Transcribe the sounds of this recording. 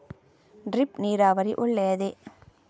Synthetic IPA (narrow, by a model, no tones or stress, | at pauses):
ɖɾɪpniːɾaːʋɐɾiʔʊɭːejɐðe